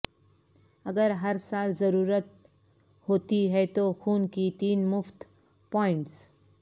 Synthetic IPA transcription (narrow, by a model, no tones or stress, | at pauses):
ɐɡəɾɦɐɾsaːlzɐɾuːɾət̪̚ | hoːt̪iɦɛt̪oxuːnkit̪iːnmʊft̪ | pɔːɪ̃ɳʈs